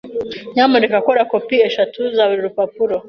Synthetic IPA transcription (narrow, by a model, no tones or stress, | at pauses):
ɲamuɾekakoɾakopieʃatʰuzaβuɾiɾupapuɾo